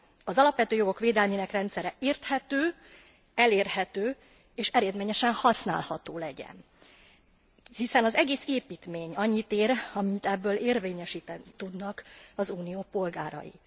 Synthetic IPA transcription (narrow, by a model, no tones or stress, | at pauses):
ɒzɒlɒpʋɛt̪øːjo̞ɡo̞kʋeːd̪ɛlmiːnɛkrɛnt̪sɛɾɛeːrt̪hɛt̪øː | ɛleːrhɛt̪øː | eːʃɛɾeːd̪meːɲɛʃɛnhɒsna̰ːlhɒt̪oːlɛɟɛ̰n | hisɛnɒzɛɡeːseːpiːt̪meːɲɒɲːit̪eːɾɒmint̪ɛbːøːleːrveːɲɛʃiːt̪ɛnit̪ud̪nɒkɒzuːnijoːpo̞lɡaːɾɒ̰jḭ